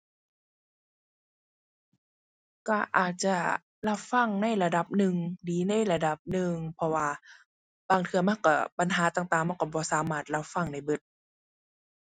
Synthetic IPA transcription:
ka˧˩ʔa̰ː˨˩t̪̚t͡ɕa˧˩ | la˧˥˩wfa˧˩˨ŋna˧˥˨jla˧da˧˦p̚nɯ˨ŋdiː˨˦na˧˥˩jla˧da˧˩p̚nɯ˨˧ŋpʰɔ˧waː˧ | b̥aː˧˩ŋt̪ʰɯ˧ɐma˧˥˨nkɔ˧˩pa˧˦nɦaː˨˦t̪aː˨˩ŋt̪aː˨˩ŋma˥˨kɔ˧˩bɔː˧˦saː˨˦maː˧˥˩t̪̚la˧˩wfa˧˥˨ŋna˧˩jbɯ˧˥˩t̪̚

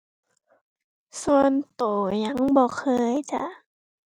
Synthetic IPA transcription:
su˧ənt̪oː˨˩ɲa˧˥ŋbɔː˧˩kʰɤː˧jt͡ɕa˧˦ʔ

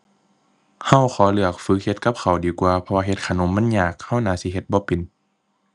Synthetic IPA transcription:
ha˧˥˨wxʰɔː˨˩˦lɯ˧˩ɐk̚fɯ˧˥k̚he˧t̪̚ka˧˦p̚kʰa˨˩wdiː˨˦kwaː˧pʰɔ˧waː˧ɦe˧˦t̪̚kʰaː˨˧˩no˧˦mːa˧˥˨njaː˨˩k̚ha˧˩˨wnaː˧˦si˧˦ɦe˧t̪̚bɔː˧˦pe˨n

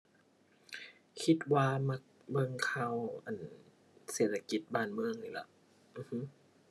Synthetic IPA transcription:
kʰi˧t̪̚waː˧ma˧˩k̚ | bɤ˧ŋkʰaː˧˩˨wʔa˨˩n | seː˨˩t̪̚ʰːa˧ki˧˦t̪̚baː˧˩˨nmɯ˧ə˨ŋli˨˩la̰˧˩ʔ | mɯː˧hɯ˧˥

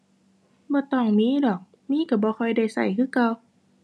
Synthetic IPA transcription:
bɔː˧˦t̪ɔː˧˩ŋmiː˧˥˨dɔː˨˩k̚ | miː˧˥˨ka˧˩bɔː˧˦kʰɔ˧˩jda˧˩jsa̰˨˩jkʰɯː˧˥˨ka˧w

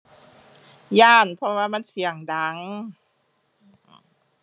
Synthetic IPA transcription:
jaː˧˩npʰɔ˧waː˧˩ma˧˥˨nsi˨˩˦əŋda˨˦ŋ˨˩

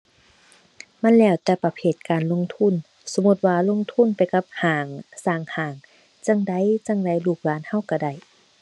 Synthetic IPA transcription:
ma˧˥˨nlɛː˧˩˨wt̪ɛː˧pa˧pʰeː˧˩t̪̚kaː˨nlo˧˥˨ŋt̪ʰu˧˥˨n | so˧˦mu˧˦t̪̚waː˧lo˧˥˨ŋt̪ʰu˧˥˨npa˨jka˧˦p̚haː˨˩ŋsaː˧˩ŋhaː˨˩ŋ | t͡ɕa˧˨ŋda˧˦˨jt͡ɕa˧˨ŋda˧˩˨jluː˧˩k̚laː˧˥˨nha˧˥˨wka˧˩da˧˩j

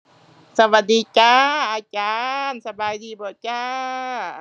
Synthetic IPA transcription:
sa˧wa˨˧˩diː˨˧kaː˧ʔaː˧t͡ɕaː˧nsa˧baː˧jdiː˧bɔː˨t͡ɕaː˧˥

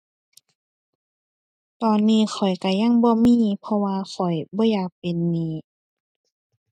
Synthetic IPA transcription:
t̪ɔː˨˧nːiː˧˥˨xʰɔ˨˩jka˧˩ja˧˥˨ŋbɔː˧˦miː˧˥˨pʰɔ˧waː˧xʰɔ˨˩jbɔː˧˦jaː˧˩k̚pe˨nːiː˧˩˨

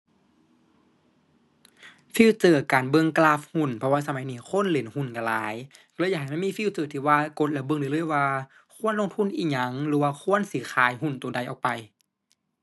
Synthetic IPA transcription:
fiː˧˥˨wt͡ɕɤː˧˩kaː˨˩nbɤ˧˨ŋklaː˧fhu˧˩˨npʰɔ˧waː˧sa˧ma˨˦jniː˧˩kʰo˧˥˨nle˨˦nhu˧˩˨nka˨˧˩laː˨˦j | kːjaː˧˩ɦa˨˩jma˧˥˨miː˧˥˨fi˧˨wt͡ɕɤː˧˩t̪ʰiː˧˩waː˧ko˧˦t̪̚lɛ˧˩bɤ˧˨ŋdɯː˧˦˨lɤː˧˥˨jwaː˧ | kʰu˧˥ə˨nlo˧˨ŋt̪ʰu˧˥˨nʔiː˧˩ɲa˨˦ŋlɯː˨˦waː˧kʰu˧˥˨ə˨nsiː˨˦xʰaː˨˦jɦu˧˥˨nt̪uː˨˩da˨jʔɔ̰ː˨˩k̚pa˨j

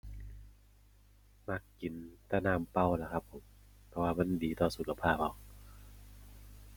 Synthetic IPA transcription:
ma˧˩kːi˨˦nt̪a˧˩naː˧˩˨mpa˧˥˩wla˧˩kʰa˦˧˥pʰːo˨˩˦m | pʰɔ˧waː˧ma˧˥˨ndiː˨˦t̪ɔː˧˩su˨˦kʰa˧pʰaː˥˩p̚ɔː˧˩k̚

